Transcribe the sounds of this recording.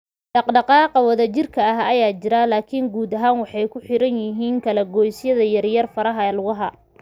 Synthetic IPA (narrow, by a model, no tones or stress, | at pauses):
ɖɑqɖɑqɑːqɑwɐðɐt͡ʃɪrkʰɐɐɦɐjaːt͡ʃɪɾɐlaːkʰɪŋɡuːd̪ɐɦaːnwɑħɑjkʰʊħɪɾɐnjɪɦiːŋkʰɐlɛɡɔːjsjɐðɐjɐrjɐrfɐɾɐɦɐlʊɣʊɦɐ